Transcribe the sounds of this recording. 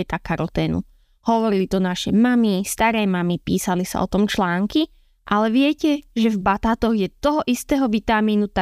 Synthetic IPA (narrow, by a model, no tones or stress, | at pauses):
ɛt̪akaɾɔlt̪ɛːnṵ | hɔʋɔɾilit̪ɔnaʃɛmamist̪aɾɛːmamipiːsalisa̰ɔ̰t̪ɔmt͡ʃlaːŋki | ʔalɛʋɪɛcɛʒɛvbat̪aːt̪ɔɣjɛt̪ɔɦɔʔist̪ɛːɦɔʋit̪amiːnut̪a